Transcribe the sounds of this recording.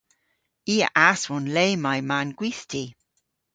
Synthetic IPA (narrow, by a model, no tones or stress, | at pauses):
iːə̰ʔaswɔnleːmajmanɡ̥wiθtʰi